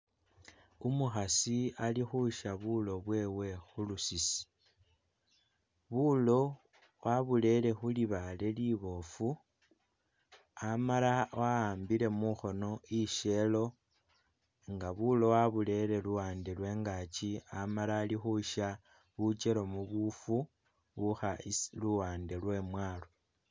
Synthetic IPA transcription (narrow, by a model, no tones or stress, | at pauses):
umuxasialixuʃaβulo̞βwe̞ːwe̞xulusisi̥ | βulo̞ | waβule̞le̞xuliβale̞liβo̞fu | amalawaaːmbile̞muxo̞no̞iʃe̞lo̞ | ŋɡaβulo̞waβule̞le̞luwaːndelwe̞ːŋɡat͡ʃiamalaːlixuʃa | βut͡ʃelo̞muβufu | βuxaluwaːnde̞lwe̞mwaːlo